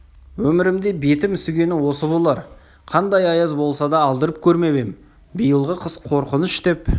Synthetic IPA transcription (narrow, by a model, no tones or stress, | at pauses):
wɵmɪɾɪmd̪e̞be̞t̪ɪmʏsɪɡʲe̞nɪwo̞səbolˠɑɾ | qʰɑnd̪ɑjɑjɑzbo̞lˠsɑd̪ɑːlˠd̪əɾəp̚kʲʰɵɾme̞be̞m | bijəlˠʁəqʰəsqʰo̞ɾqənəʃt̪e̞p